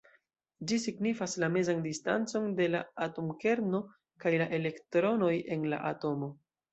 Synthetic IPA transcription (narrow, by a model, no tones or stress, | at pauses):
d͡ʒisiɡnifaslame̞zandista̰nt͡so̞nde̞laatomke̞ɾno̞ | kajlaʔe̞le̞ktɾo̞no̞je̞nla̰ʔato̞mo̞